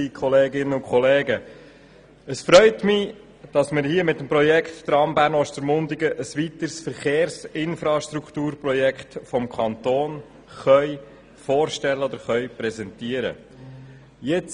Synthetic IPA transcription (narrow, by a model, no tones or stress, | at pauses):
ikʰχɔleːɡɪnːəʊkχɔleːɡə | əsfɾœʏtmɪ | d̥ɑsmɪɾhiːəmɪtːəmpɾɔjɛkχtdɾɑmbæːɾnɔʃtəɾmʊndɪɡəʔəsʋit̪əɾsfəɾχeːɾsɪnfɾɑʃt̪ɾukχt̪uːɾprɔjɛkχtfɔmkʰɑnt̪oːn | χœʏ | foːɾʃtɛlːəɔd̪əɾχœʏpɾɛzɛntiəɾə̰ | jɛt͡s